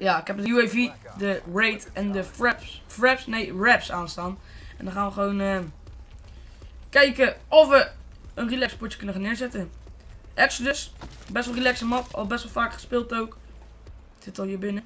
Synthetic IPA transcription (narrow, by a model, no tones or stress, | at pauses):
jaːɪkɦɛpdəjuevi | dəɹejtɛndəfɹɛpsfɹɛpsnejɹɛpsaːnstaːn | ʔɛndɔnχaːnʋəχəʋownə | kɛjkəɔfʋə | ənrilɛkspɔt͡ʃə̥kənəχanɪːɹzɛtə | ʔɛpsədɵs | bɛstʋɑlˠrilɛksəmɑtɑ̰lˠbɛstʋɑlˠfaːkχə̥spɪːlˠtowk | sɪtɑlˠɦiːɹbɪnə